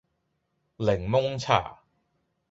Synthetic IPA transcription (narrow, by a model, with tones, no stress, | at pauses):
lɪ˨˩ŋmʊ˥ŋt͡sʰa̰ː˨˩